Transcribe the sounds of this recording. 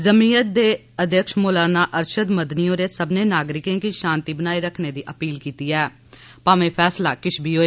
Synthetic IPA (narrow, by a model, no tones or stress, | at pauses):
zəmiːət̪̚d̪eː | əd̪jəkʃmoːlaːnaːʔəɾʃəd̪məd̪niːõːɾeːsəbneːnaːɡɾɪkẽːkiːʃãːnt̪iːbənaːiɾəkʰneːd̪iːʔəpiːlkiːt̪iːɛː | paːʋẽːpʰɛːslaːkɪʃbiːɦoːeː